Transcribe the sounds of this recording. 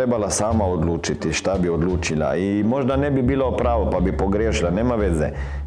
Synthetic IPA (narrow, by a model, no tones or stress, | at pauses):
ebalasaːmaod̪luːt͡ʃit̪iʃt̪abiod̪luːt͡ʃila̰imoʒd̪anɛbibiːlopɾaːʋopabipoɡɾjeːʃilaneːmaʋeːzɛ̰